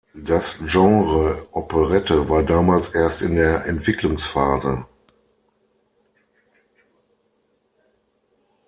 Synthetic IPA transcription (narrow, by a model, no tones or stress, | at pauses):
d̥asʒɑ̃ŋʁəʔɔpʰəʁɛtəvaːɐdaːmaːlsʔeːɐstɪndeːɐʔɛntv̥ɪklʊŋsfaːzə